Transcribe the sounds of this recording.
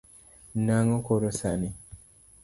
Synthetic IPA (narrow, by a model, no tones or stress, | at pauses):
naŋokoɾosaʔni